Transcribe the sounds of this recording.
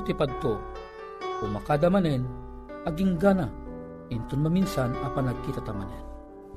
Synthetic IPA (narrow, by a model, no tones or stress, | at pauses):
t̪ipad̪̚t̪o | kʊŋmakad̪amanɛn | ɐɡiŋɡana | ɪnt̪ʊnmaminsanɐpanakit̪at̪amanɛn